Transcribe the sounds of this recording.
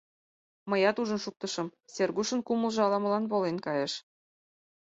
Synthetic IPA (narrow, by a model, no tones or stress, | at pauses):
məjɑt̪uʒə̆nʃuk̚t̪ɤ̆ʃɤ̆mserɣuʃə̆nkuməlʒɤ̆ɑlɑmə̆lɑnβolenkɑjeʃ